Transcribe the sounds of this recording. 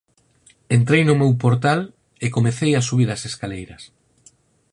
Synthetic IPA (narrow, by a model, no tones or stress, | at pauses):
ent̪ɾejnʊmewpoɾt̪al | ɪkomeθejasuβiɾɐseskalejɾɐs